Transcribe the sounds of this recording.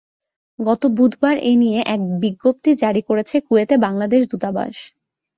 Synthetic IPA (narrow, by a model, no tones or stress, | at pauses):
ɡɔt̪obud̪ʱbaɾenijeʔɛk̚biɡːop̚t̪id͡ʑaɽikoɾet͡ɕʰekuet̪ebaŋlad̪eʃ̬d̪ut̪aba̰ʃ